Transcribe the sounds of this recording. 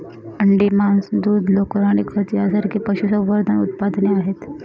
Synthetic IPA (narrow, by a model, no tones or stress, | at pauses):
əɳɖimansd̪uːd̪lokəɾaɽ̃ikʰəɾt̪iasəɾkepəɕusəbʋəɾd̪ʱənṵt̪̚pad̪neaɦet̪